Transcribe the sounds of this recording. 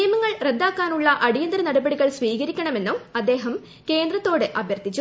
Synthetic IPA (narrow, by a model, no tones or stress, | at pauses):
jɐmɐŋːɐɭrend̪aːkːaːnuɭːɐʔɐɽijɐnd̪ɾɐnɐɽɐbɐɽiɣɐɭsʋiːɣɐɾikʲːɐɳɐme̞nːumɐd̪ːe̞ːɦɐm | ke̞ːnd̪rɐt̪ːo̞ːɽɨʔɐbʱjɐrd̪ʱit͡ɕːu